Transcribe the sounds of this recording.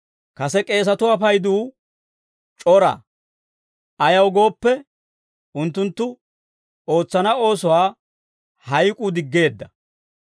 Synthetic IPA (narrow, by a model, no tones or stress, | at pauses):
kɐsɛkʼe̞ːs̬ɐt̪ʊɐfɐjd̪uː | t͡ʃʼɔɾɐ̰ | ɐjɐwɡo̞ːpːɛ | ʔʊnt̪ːʊnt̪ːʊ | o̞ːt͡sːɐnɐo̞ːsɔwaː | hɐjkʼuːd̪ɪɡːe̞ːd̪ːɐ